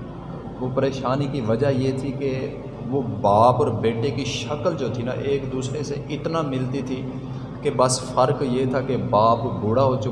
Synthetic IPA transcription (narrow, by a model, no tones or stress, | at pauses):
ʋoːpəɾeːʃaːnikiʋəd͡ʒajeːt̪ʰike | ʋoːbaːpɔːɾbeːʈekiʃəkəld͡ʒoːt̪ʰina̰ʔeːkd̪uːsɾeseʔɪt̪namɪlt̪it̪ʰiː | kebəsfəɾkjeːt̪ʰakebaːpbʊɽaɦoːt͡ʃʊ